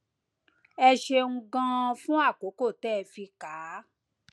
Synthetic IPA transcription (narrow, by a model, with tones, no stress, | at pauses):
ɛ˧ʃe˧ŋ̩˧ɡã˧fũ˦a˦˨ko˨˦ko˦˨tɛ˦˨fi˧ka˨˦